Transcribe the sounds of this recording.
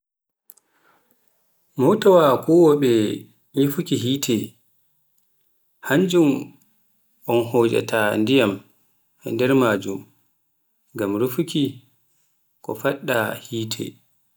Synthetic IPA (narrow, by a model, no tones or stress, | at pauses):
mɔwtawakɔwɔɓɛ | jifukiɦiːtʰɛ | haɲd͡ʒum | ʔɔnhoːd͡ʒa̰tandijam | ɛndɛɾmaːd͡ʒum | ɡamɾufuki | kɔ̰faɗːahiːtʰɛ̰